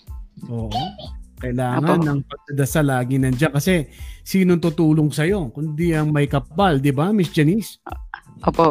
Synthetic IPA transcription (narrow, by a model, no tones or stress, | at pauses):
ʔo̞ːʔokɐʔɪlaːŋɐnɐŋpɐɡ̚d̪ɐd̪ɐsalaːɡɪnɐnd͡ʒakɐsɛsiːno̞nt̪ʊt̪uːlo̞ŋsɐjo̞kʊnd̪iɐŋmɐjkɐp̚ːald̪ɪbamisd͡ʒɐnis | ʔoːpo